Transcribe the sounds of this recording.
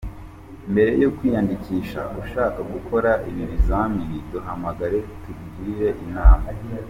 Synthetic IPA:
mbe̞ɾe̞jokwiːjandikiʃa̰uʃaːkaɡukʰo̞ɾaʔiβinizamiiduɦamaɡaɾe̞tubɡiɾe̞ʔinaːma

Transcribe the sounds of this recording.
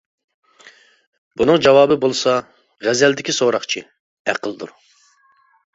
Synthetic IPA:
bunɨŋd͡ʒɑwɑːbɨbolˠsɑ | ʁɛzɛld̪ɪkʲisoɾɑχt͡ʃʰi | æqʰəlˠd̪ṵɾ

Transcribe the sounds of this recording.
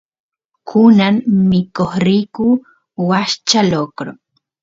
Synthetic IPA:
kʰunanmikoχɾiku | waʃt͡ʃalokɾo

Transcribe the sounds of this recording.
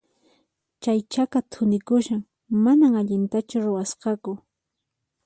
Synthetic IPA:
t͡ʃajt͡ʃakat̪ʰʊnɪkʊʃaŋ | manaŋaʎɪnt̪at͡ʃʊɾʊwasqɑkʊ

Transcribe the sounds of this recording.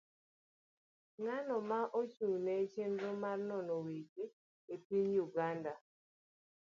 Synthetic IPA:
ŋanɔmaʔot͡ʃunɛt͡ʃendomarnɔnɔwed͡ʒe | epiɲjuɡanda

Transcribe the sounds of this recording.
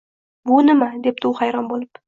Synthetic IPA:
bʊnɪmad̪ep̚t̪uwhajɾɒnbolˠɪp

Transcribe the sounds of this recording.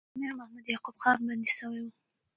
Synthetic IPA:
mɪɾmahmad̪jɑqubxɑɾbɑnd̪isəwajwu

